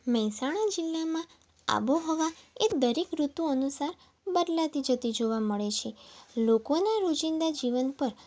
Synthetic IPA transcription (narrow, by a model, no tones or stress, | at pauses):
məɦsaɽ̃ad͡ʒɪlːamã | a̰ʋoɦɔʋaed̪əɾekɾut̪uənusaɾ | bəd̪lat̪id͡ʒət̪id͡ʒoʋaməɭet͡ʃʰelokonaɾod͡ʒind̪ad͡ʒiʋənpəɾ